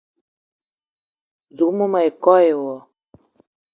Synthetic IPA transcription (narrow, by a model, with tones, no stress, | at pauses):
zu˨˦mu˦ma˨e˨kɔ˦je˨wɔ˨